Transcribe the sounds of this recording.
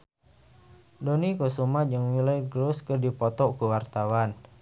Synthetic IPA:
donikosumad͡ʒəŋwiləjɡɾuskərdipɔt̪ɔʔkuwart̪awan

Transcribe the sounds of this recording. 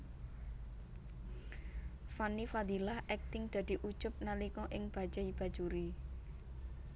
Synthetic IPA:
fanifad̪ilahʔɛk̚t̪ɪŋd̪̥ä̤d̪̥i̤ʔu̥d͡ʒʊp̚nalikɔʔɪŋb̥a̤̥d͡ʒ̥aib̥a̤̥d͡ʒuɾi

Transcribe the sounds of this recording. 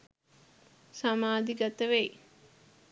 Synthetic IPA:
samaːd̪iɡat̪əʋej

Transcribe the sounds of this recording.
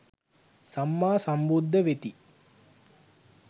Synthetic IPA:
samːaːsambud̪ʱːəʋet̪i

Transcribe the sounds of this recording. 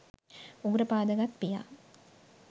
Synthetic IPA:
uɡuɾɐpaːd̪əɡat̪pija̰ː

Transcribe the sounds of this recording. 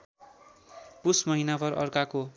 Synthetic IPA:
pusmʌɦinabʌɾʔʌ̰rkako

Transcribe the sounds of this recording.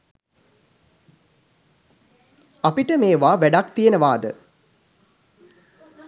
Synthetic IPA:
apiʈəmeːʋaːʋæɖakt̪ijenəʋaːd̪ə

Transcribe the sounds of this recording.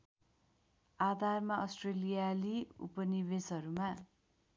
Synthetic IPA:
ad̪ʱarmaʌsʈrelijaliṵpʌnibesʌɾuma

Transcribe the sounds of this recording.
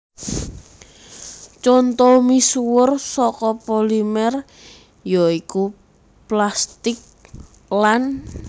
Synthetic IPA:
t͡ʃɔnt̪ɔmisuwʊrsɔkɔpolimɛr | jɔiku | plast̪ɪk̚ | lan

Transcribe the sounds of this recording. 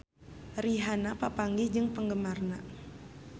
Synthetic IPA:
riɦanapapaŋɡid͡ʒɨŋpəŋɡəmarna

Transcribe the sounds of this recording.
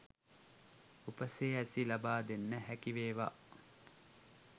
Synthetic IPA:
upɐseːæsilɐbaːd̪enːəhækiʋeːʋa̰

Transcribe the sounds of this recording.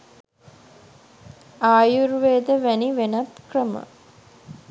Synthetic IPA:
aːjuɾʋeːd̪əʋæniʋenat̪krəmə̰

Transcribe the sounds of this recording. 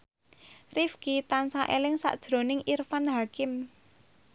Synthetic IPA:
rifkit̪ansaʔelɪŋsa̰ʔd̥ʒ̥ɾo̤nɪŋirfanɦakɪm

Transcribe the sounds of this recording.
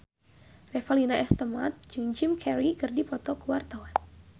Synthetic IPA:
rɛfalinaɛst̪əma̰t̪̚d͡ʒɨŋd͡ʒimkʰɛɾikɨrdipɔt̪ɔkuwart̪awan

